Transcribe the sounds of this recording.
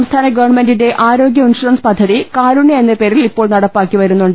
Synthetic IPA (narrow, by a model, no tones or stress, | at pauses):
mst̪ʰaːnɐɡɐʋɐɳme̞ndinde̞ʔaːɾo̞ːɡjɐinʂuɾɐnspɐd̪ʱːɐðikaːɾuɳjɐenːɐpeːɾillipːo̞ːɭnɐɽɐpːaːkːiʋɐɾunːuɳɖ